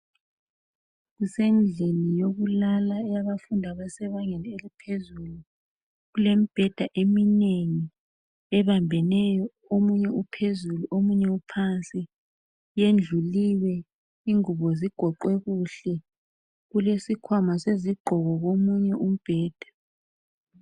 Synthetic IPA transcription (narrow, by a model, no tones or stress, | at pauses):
ɣusend͡ɮʱenijoɣulalaɛjaβafundʱaβasɛβaŋɛlɛelipʰezulu | ɣulemib̥ʱɛd̥ʱaʔemineŋi | ɛβambʱɛnɛjɔ | omuɲɛupʰezuluʔomuɲɛupʰant͡sʼi | jend͡ɮʱuliwɛ | iŋuβɔziɡ̥ʱɔǃwɛɣuɬɛ | ɣulesikʰwamaseziɡ͡ǃʱɔɣɔɣomuɲɛʔum̩b̥ʱɛːd̥ʱḁ